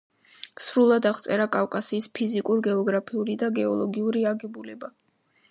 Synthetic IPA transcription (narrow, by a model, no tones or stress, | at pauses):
sɾulˠad̪aʁt̪sʼɛɾakʼafkʼasiːspʰizikʼuɾɡɛɔɡɾapʰiuɾid̪aɡɛɔlˠɔɡiuɾiaɡɛbulɛba